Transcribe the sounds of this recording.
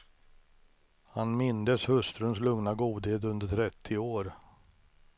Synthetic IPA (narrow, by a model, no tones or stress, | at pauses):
hanmɪnd̪əshɵst̪ɾɵnslɵŋnaɡuːd̪heːt̪̬ɵnd̪əʈʰɾɛt̪ʰːɪoːɾ